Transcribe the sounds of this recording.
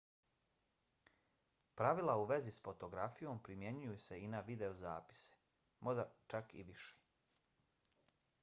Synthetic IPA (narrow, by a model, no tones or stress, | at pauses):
pɾaʋilˠauʋe̞zisfo̞t̪o̞ɡɾafijo̞mpɾimje̞ɲujuse̞inaʋid̪e̞oza̰ːpi̥se̥ | mod̪at͡ʃakḭʋiʃe̥